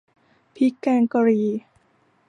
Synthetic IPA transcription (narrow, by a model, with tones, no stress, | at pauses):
pʰi˦˥kɛː˧ŋka˧ɾiː˧